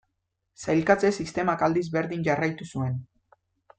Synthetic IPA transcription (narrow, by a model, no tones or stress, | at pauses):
sajlkat͡sesist̪e̞makald̪izbe̞ɾðiɲʝarajt̪usue̞n